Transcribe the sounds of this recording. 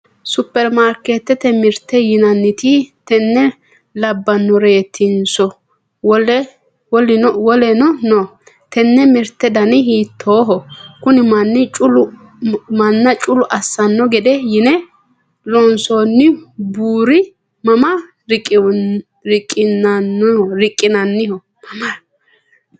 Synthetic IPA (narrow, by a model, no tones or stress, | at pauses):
sʊpːɛɾmaɾkeːt̪ːɛt̪ɛmɪɾt̪ːɛjɪnɐnːɪt̪ɪt̪ɛnːɛ | lɐbːɐnːɔɾe̞ːt̪ʰːɪnsɔ | wɔɛ | wɔlɪwɔlɛnɔnɔ | t̪ɛnːɛmɪɾt̪ːɛd̪ɐnɪhiːt̪ʰːoːɦɔkʊnɪmɐnːɪt͡ʃʼʊlʊ | mɐnːɐt͡ʃʼʊlʊʔɐsːɐnːɔɡɛd̪ɛjɪnɛ | lɔnsonːɪbuːɾɪ | mɐmɐ | ɾɪkʼ | ɾɪkʼːɪnɐnːhɔɾɪkʼːɪnɐnːɪhɔ | mɐma